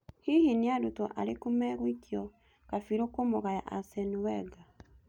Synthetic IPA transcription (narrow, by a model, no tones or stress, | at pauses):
hihiniadotoʔa̰ɾekumɛɣwitjɔ | kafiɾokomoɣaja̰ʔasɛniwɛɡa